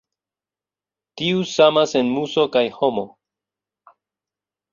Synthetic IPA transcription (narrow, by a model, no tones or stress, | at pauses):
tiusamase̞nmuso̞kajho̞mo̞